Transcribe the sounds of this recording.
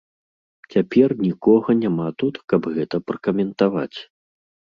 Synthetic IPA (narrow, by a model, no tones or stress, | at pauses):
t͡sʲapʲɛrnʲikɔɣɐnʲamat̪ut̪kɐbɣɛt̪ɐpɾɐkɐmʲɛnt̪ava̰t͡sʲ